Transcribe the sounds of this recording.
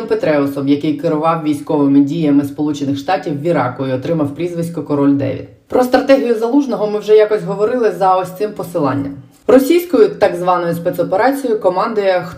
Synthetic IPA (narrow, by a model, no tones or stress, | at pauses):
mpet̪ɾɛɔsɔmjɐkɪjkɪɾʊʋɑwʋʲijsʲkɔʋɪmɪdʲijɐmɪspɔlˠut͡ʃenɪxʃt̪ɑtʲiwːʲiɾɑ̰kʊiɔt̪ɾɪmɐwpɾʲizʋɪsʲkʊkɔɾɔlʲd̪ɛ̰ʋʲḭd̪ | pɾɔst̪ɾɐt̪ɛɦʲijʊzɐlˠuʒnɔɦɔmɪwʒɛjɑkɔsʲɦɔʋɔɾɪlˠɪzɐɔsʲt̪sɪmpɔsɪlˠɑ̰nʲːɐ̰m | rɔsʲijsʲkɔjʊt̪ɑɡzʋɑnɔjʊspɛt̪sɔpeɾɑt͡sʲijʊkɔmɑnd̪ʊjɛxt